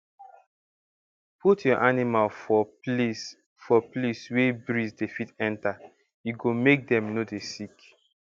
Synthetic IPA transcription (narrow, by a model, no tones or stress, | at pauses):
pʰutjɔʔanimalfɔ | fɔpleswebɹizdefitɛ̃nta | juɡomek̚dɛ̃mnodesik